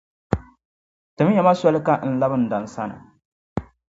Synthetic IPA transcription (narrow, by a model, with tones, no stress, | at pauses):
tɨ˨m˦ɲa˦ma˦sa˦lɨ˦ka˦n̩˦˨la˦bɨ˦˨n̩˨da˨n̩˨sa˦nɨ̰˨